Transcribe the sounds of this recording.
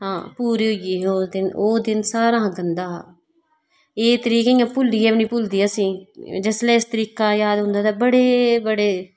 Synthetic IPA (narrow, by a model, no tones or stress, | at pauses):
ɦãːpuːɾiːɦoɪiːoːd̪ɪnoːd̪ɪnsaːɾãːɡənd̪aː | eːt̪əɾiːkeĩãːpʊld̪iːɛːpnĩːpʊld̪iːɛəsĩːd͡ʒəslɛːɪst̪əɾiːkaːjaːd̪ɦʊ̃nd̪aːt̪aːbəɽeːbəɽeː